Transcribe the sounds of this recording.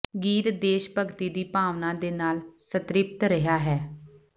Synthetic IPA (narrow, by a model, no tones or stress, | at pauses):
ɡiːɾd̪eːʃpəɡt̪iːd̪iːpaːʋnãːd̪eːnaːlsət̪ɾɪp̚t̪ɾəɦaːɦɛː